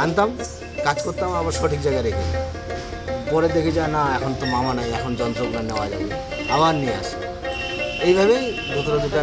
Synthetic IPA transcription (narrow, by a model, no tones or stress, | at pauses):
ant̪am | kad͡ʒkoɾt̪amabaɾʃɔʈʰik̚d͡ʑajɡaɾekʰḭ | pɔɾed̪ekʰid͡ʑaenaɛkʰont̪omamanajɛkʰond͡ʒɔnt̪ɾoknanewad͡ʒa̰bi | abaɾniea̰sḛ | ejbʱaβej | d͡ʒut̪oɾad̪iʈa